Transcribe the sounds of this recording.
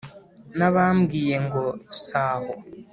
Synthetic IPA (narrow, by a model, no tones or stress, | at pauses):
naβamɡiːje̞ŋɡosaːho